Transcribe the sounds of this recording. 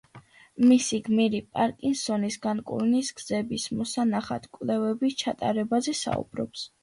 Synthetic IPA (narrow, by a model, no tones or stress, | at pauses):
misiɡmiɾipʼaɾkʼinsɔnisɡankʼṵɾnisɡ̥zɛbismɔsanaχa̰t̪ʰkʼvlɛvɛbist͡ʃʰat̪ʼaɾɛbazɛsa̰ṵb̥ɾɔ̰ps